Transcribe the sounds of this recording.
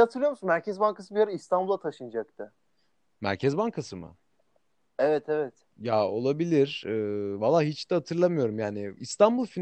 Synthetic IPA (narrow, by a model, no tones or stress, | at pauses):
at̪ʰɯɾɯjoɾmsunmæɾcʰɛzbaŋkasɯbijaɾɯist̪ʰanbulˠat̪ʰaʃɯnd͡ʒak̚t̪ʰɯ | mæ̰ɾcʰɛzbaŋkʰasɯmɯ̰ | ɛvɛt̪ʰɛvɛt̪ | jao̞lˠabilʲiɾ̥ɯːvalˠːaːɦit͡ʃd̪ɛhat̪ʰɯɾlˠamɯjo̞ɾumjaːnɪist̪ʰanbulˠfin